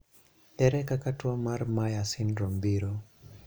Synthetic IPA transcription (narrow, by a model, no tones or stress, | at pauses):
ɛɾɛkakatuamaɾmajasinɾɔmbiɾɔ